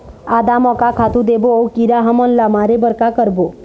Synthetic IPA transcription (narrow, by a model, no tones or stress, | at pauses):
ad̪amɔkakʰat̪ud̪eboowkiɾaɦəmɔnlamaɾebəɾkakəɾbo